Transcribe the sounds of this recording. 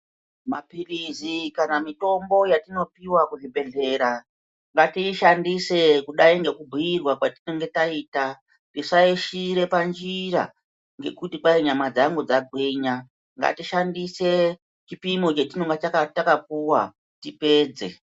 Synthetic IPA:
ma̰pirizikanamito̞mbo̞jatino̞piwakuʐibʱe̞ɮe̞ɾa | ŋɡatiʃandise̞kuɗaiŋɡe̞kubʱujirwakwatinoŋɡetaiːta | tiʂaiʃiɾe̞pand͡ʒira̰ | ŋɡe̞̰kutikwaiɲamad͡zaŋɡud͡zaɡʱwiɲa | ŋɡa̰tiʃandise̞ | t͡ʃipimot͡ʃetinoŋɡet͡ʃakatakapuwa | tipe̞ːd͡ze̞

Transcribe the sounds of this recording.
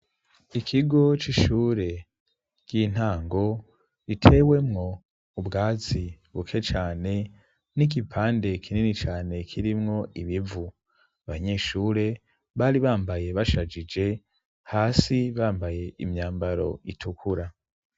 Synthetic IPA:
ikʰiɡo̞t͡ʃiʃuːɾe̞ | ɡ̥iːn̥haːŋɡo̞ | itʰe̞ːwe̞mŋo̞ | ubɡaːzi | βukʰe̞t͡ʃaːne̞ | nik̬ipʰaːnde̞kʰininit͡ʃaːne̞kʰiɾimŋo̞ʔiβivu | aβaɲe̞ːʃuːɾe̞ | βaɾiβaːmbaje̞βaʃad͡ʒid͡ʒe̞ | haːsiβaːmbaje̞imɲaːmbaɾo̞̰itʰukʰuɾa

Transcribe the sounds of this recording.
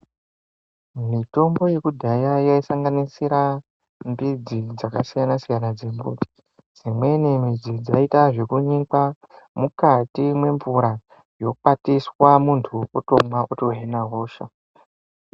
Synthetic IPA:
mito̞mbo̞je̞kudʱajajaisaŋɡanisiɾa | mbid͡zid͡zakasijanasijanad͡zembṵti̥ | d͡zimwe̞nemid͡zid͡zaitaʐe̞kuɲika | mukatimwe̞ɱvuɾa | jo̞k͡patiswamuntʰuotomwaʔoto̞ɦenaɦo̞ːʃa̰

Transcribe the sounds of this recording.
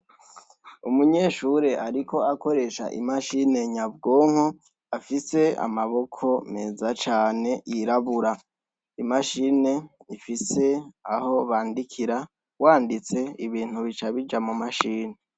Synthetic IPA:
umuɲe̞ːʃuɾe̞ʔaɾiko̞ako̞ɾe̞ʃa̰ʔḭmaʃine̞ɲabɡoːŋo | afise̞a̰maβo̞kʰo̞me̞ːzat͡ʃaːne̞jiɾaβuɾa | imaʃine̞ifise̞aho̞βaːndikʰiɾa | waːndit͡se̞iβiːn̥huβit͡ʃaβid͡ʒamumaʃiːne

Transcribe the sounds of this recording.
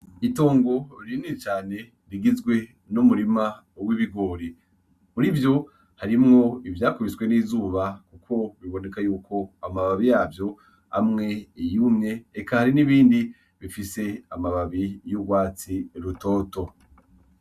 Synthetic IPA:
ito̞ːŋɡo̞ɾiɾinit͡ʃaːne̞ | ɾiɡizɡwe̞ | numuɾima | owiβiɡo̞ːɾi | uɾivjo̞ | haɾimŋo̞ivjaːkuβisɡwe̞niːzuːβakukʰo̞βiβo̞ne̞kajuːkʰo̞amaβaβijaːvjo̞ | a̰mŋe̞jumŋe̞ːkahaɾiniβiːndi | βifise̞amaβaβijuɡwaːt͡siɾuto̞ːto̞

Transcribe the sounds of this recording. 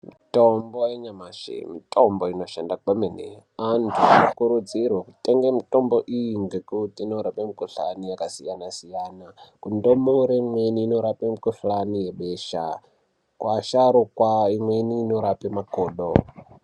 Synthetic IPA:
mitombojeɲamaʃḭmitʼomboinoʃandakamenḛ | antʰuanokuɾud͡zirwakutʼeŋɡemitomboʔijiŋɡekutiːnoɾapemikuɬa̰nijakasijanasijaːnakundomoɾemweniːnoɾapemikuɬanijeɓeʃa̰ | kwʔaʃaɾukwaimweniːnoɾapemakoːɗo

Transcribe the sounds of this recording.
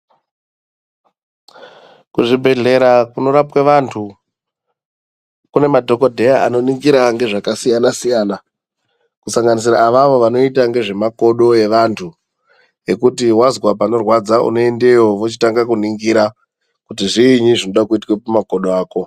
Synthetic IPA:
kuʐibʱe̞ɮe̞ɾakuno̞ɾapweʋantʰu | kune̞madʱo̞ko̞dʱe̞jaano̞niŋɡiɾaŋɡe̞ʐakasijanasijaːna | kusaŋɡanis̬iɾa̰ːʋaʋo̞ʋano̞itaŋɡe̞ʐe̞mako̞ɗo̞je̞ʋantʰu | e̞kutiwazwap̬ano̞rwad͡zaʔṵno̞e̞nde̞jo̞ʋot͡ʃi̥taŋɡakuniŋɡiɾa | kut̬iʐiːɲiʐino̞ɗakuitwepamakoɗoaːko̞

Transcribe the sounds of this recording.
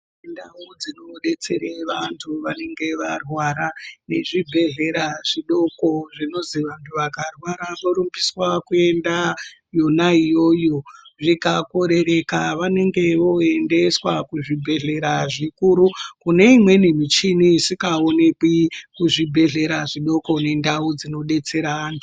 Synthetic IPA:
ndaud͡zino̞ɗe̞t͡se̞ɾeʋantʰuʋane̞ŋɡe̞ʋarwaɾane̞ʐibʱe̞ɮe̞ɾaʐiɗo̞ko̞ʐino̞ziʋantʰuʋakarwaɾaʋoɾumbiswakue̞nda | jo̞naijo̞joʐikako̞ɾe̞ɾe̞kaʋane̞ŋɡe̞ʋo̞e̞nde̞swakuʐibʱe̞ɮe̞ɾaʐikuɾukune̞imwe̞nimit͡ʃinisikaone̞kwikuʐibʱe̞ɮe̞ɾaʐiɗo̞ko̞ne̞ndaud͡zino̞ɗe̞t͡se̞ɾaːntʰu

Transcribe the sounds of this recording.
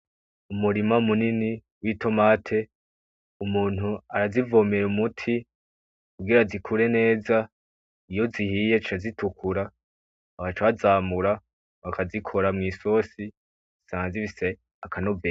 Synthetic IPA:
umuɾimamunini | wito̞maːtʰe̞ | umuːnuaɾazivo̞ːmeɾumutʰi | kuɡiɾazikʰuɾe̞ne̞ːza | ijo̞zihije̞t͡ʃiazitukʰuɾaː | βat͡ʃaazaːmuɾa | βakʰazikʰo̞ɾamŋiːso̞si | saːzivise̞ | akʰano̞veː

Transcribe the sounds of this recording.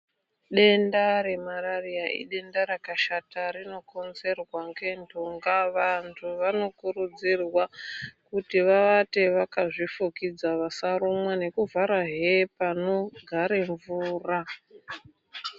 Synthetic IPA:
ɗe̞ndaɾe̞maɾarijaʔḭɗe̞ndaɾakaʃataɾino̞ko̞nze̞rwaŋɡe̞ntʰuŋɡaʋantʰuʋano̞kurud͡zirwakutiʋaʋate̞ʋakaʐifukid͡zaʋasaɾomwane̞kuvʱaɾaɦepano̞ɡʱaɾe̞ɱvuːra

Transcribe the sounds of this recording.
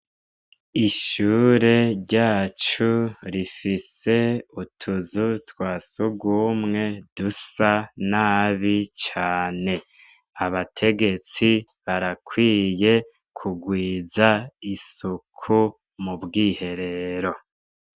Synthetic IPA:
iʃuːɾe̞ɾɟaːt͡ʃuɾifise̞utʰuzutwaːsuɡuːmŋe̞dusanaːβit͡ʃaːne̞ | aβatʰe̞ɡe̞t͡si | βaɾakʰwiːje̞ | kʰuɡwiːzaisukʰu | mubɡiːhe̞ɾe̞ɾo̞

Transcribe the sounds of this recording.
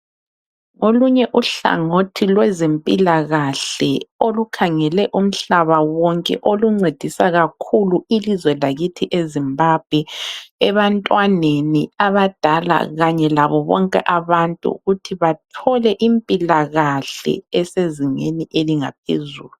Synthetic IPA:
ŋoluɲɛʔuɬa̰ŋotʰilwɛzempʼilaɣaɬɛolukʰaŋɛlɛʔum̩ɬaβawɔŋkʼɛ̰ʔoluŋ͡ǀed̥ʱisaɣakʰuluilizwɛlaɣitʰiʔezimbab̥ʱwɛɛβantʼwaneniaβad̥ʱala̰ɣaɲɛlaβɔβɔ̰ŋkʼɛ̰ʔaβantʼṵɣutʰiβatʰɔlɛʔimpʼilaɣaɬɛ̰ɛseziŋḛniʔeliŋap̚ʰḛzṵːlu

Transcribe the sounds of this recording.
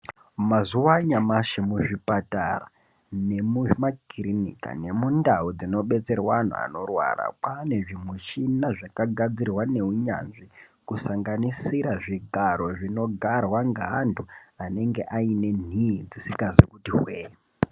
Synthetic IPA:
mazuwaɲamaʃemuʐipatara̰ | ne̞mumakirinḭka̰ne̞mundaud͡zino̞ɓe̞t͡se̞rwan̤ṵa̰no̞rwa̰ra̰kane̞ʐimweʃinaʐakaɡʱad͡zirwane̞uɲa̰nʐikusaŋɡanisiɾaʐiɡʱaɾo̞ʐino̞ɡʱarwaŋɡaːndʱuane̞ŋɡe̞ʔaine̞niid͡zisikazekutiɦweːje

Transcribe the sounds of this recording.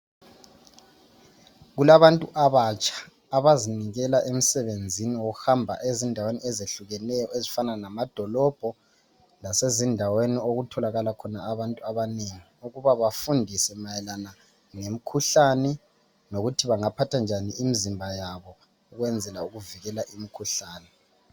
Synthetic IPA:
ɣulaβantʼuʔaβat͡ʃʼḁː | βaziniɣɛlaʔem̩sɛβend͡zʱiniwoɣuhambʱa̰ʔezindʱawenḭɛzeɬuɣɛnɛjɔezifananamad̥ʱɔlɔb̥ʱɔ | lasezindʱawenioɣutʰɔlaɣalakʰɔnaːβantʼuaβaneŋiuɣuβaβafundʱisɛmajɛlana | ŋem̩kʰuɬanɛ | noɣutʰiβaŋapʰatʰand͡ʒʱaniimizimbʱajaβɔ | uɣwɛnd͡zʱɛlauɣuviɣɛlaʔimikʰuɬaːnɛ

